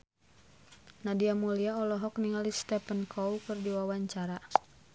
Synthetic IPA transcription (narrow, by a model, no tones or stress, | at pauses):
nadiamuliaɔlɔɦɔk̚niŋalist̪ɛpənkʰɔwkɨrdiwawaɲt͡ʃaɾa